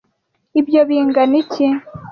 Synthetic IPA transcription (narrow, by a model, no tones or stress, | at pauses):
ibjoβiːŋɡanici